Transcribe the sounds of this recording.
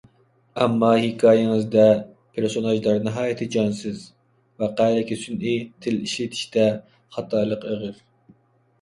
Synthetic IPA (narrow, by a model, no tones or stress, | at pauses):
ɛmːɑhɪkʰɑːjɪŋɨzd̪ɛ | pʰeɾsonɑʒlˠɑɾnɨɦɑːjɪt̪ʰɪd͡ʒɑnsɪz | vɛqælɛkʲisynit̪ʰɪliʃlɪt̪ʰi̥ʃt̪ɛ | χɑt̪ʰɑːlˠəqeʁəɾ